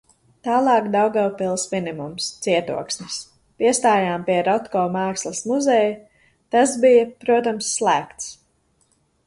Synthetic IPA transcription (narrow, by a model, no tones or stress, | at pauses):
t̪aːlˠɑːkd̪awɡawpilˠsminimumst̪siɛt̪ṵɔksnis | piɛst̪aːjaːmpiɛɾɔt̪kɔːmɑːkslˠɐsmuzɛj | t̪asbijɐpɾuɔt̪amsːlˠæːkt̪s